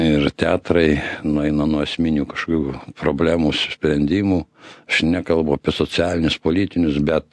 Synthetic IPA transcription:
ɪɾt̪ʲæːt̪ɾɐɪnʊɛɪnɐnuɔɐsʲmʲinʲuːkɐʃkoːkʲuːpɾoːbʲlʲæːmuːsʊsʲpʲɾʲɛnʲd̪ʲiːmuːɐʃnʲɛkɐlˠbʊɐpʲiɛsot͡sʲɪæːlʲɪnʲʊspoːlʲiːt̪ʲɪnʲʊsbʲɛt̪

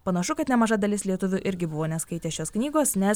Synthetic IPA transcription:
pɐnɐʃʊkɐt̪nʲɛmɐʒɐd̪ɐlʲɪslʲiɛt̪ʊʋʲʊʔɪɾʲɡʲɪbʊʋoːnʲɛskɐɪt̪ʲeːʃʲoːsknʲiːɡoːsnʲɛs

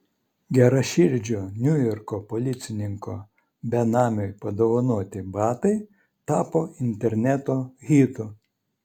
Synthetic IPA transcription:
ɡʲɛɾɐʃʲɪɾʲd͡ʒʲoːnʲʊjɔɾkɔpolʲɪt̪sʲɪnʲɪŋkoː | bʲɛnɑːmʲojpɐd̪oʋɐnuɔt̪ʲɪbɑːt̪ɐɪ | t̪ɑːpoːɪnʲt̪ʲɛɾʲnʲæt̪oːɣʲiːt̪ʊ

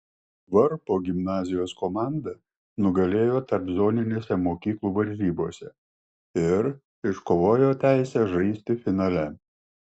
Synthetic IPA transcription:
ʋɐɾpoːɡʲɪmnɑːzʲɪjoːskɔmɑˑnd̪ɐ | nʊɡɐlʲeːjoːt̪ɐɾpzoːnʲɪnʲeːsʲɛmoːkʲiːklˠuːʋɐɾʲzʲiːboːsʲɛ | ɪɾ | ɪʃkoːʋoːjoːt̪ʲæˑɪsʲɛːʒɐɪsʲt̪ʲɪfʲɪnɑːlʲɛ

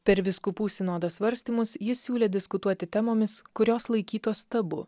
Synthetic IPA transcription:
pʲɛɾʋʲɪskʊpuːsʲɪnoːd̪oːsʋɐɾʲsʲt̪ʲiːmʊsjɪsːʲuːlʲeːd̪ʲɪskʊt̪uɔt̪ʲɪt̪ʲɛmoːmʲɪskʊɾʲoːslˠɐɪkʲiːt̪oːst̪ɐbʊ̰

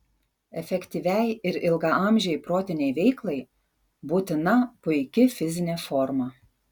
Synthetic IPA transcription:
ɛfʲɛkʲt̪ʲiʋʲɛjɪɾɪlˠɡɐʔɑˑmʲʒʲɛɪpɾoːt̪ʲɪnʲɛɪʋʲɛɪklˠɐɪ | buːt̪ʲɪnɐpʊɪkʲɪfʲɪzʲɪnʲɛːfɔɾmɐ

